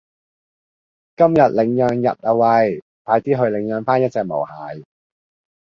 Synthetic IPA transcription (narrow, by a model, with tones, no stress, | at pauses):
kɐ˥mjɐ˨t̚lɪ˨˥ŋjœː˧ŋjɐ̰˨t̚ɐː˨wɐ˧j | p̪aː˧jt̪iː˥ɦɵ˧ɥlɪ˨˧˥ŋjœː˨˧ŋfaː˥njɐ˥t̚t͡sɛː˧k̚mo̰˨˩whaː˨˥j